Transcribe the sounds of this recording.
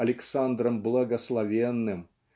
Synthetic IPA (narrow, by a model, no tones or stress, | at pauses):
ɐlʲɪksand̪rəmblˠɐɡɐslˠɐvʲenːɨm